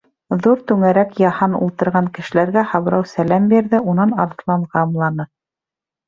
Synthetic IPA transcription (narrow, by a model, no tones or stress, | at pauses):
ðuɾt̪ʉŋæɾækjɑhɑnṵlˠt̪ɤ̆ɾʁɑŋkɘ̆ʃɘ̆læɾɡæhɑβɾɑwsælæmbiɾðɘʔunɑnɑɾt̪lˠɑɴʁɑːmlˠɑnɤ